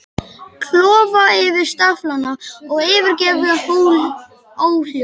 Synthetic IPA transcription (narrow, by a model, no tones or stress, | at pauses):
kʰlɔːvaɪvɪð̥st̪aflanaɔɣɪːvɪɾcɛːvʏhoːwl | oːwhjo